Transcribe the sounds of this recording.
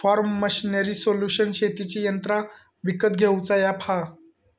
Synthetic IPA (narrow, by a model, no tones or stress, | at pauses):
fɔɾmːəɕinəɾiːsoljuɕənɕet̪it͡ɕijənt̪ɾa | ʋikət̪ɡʱewt͡sajapʰa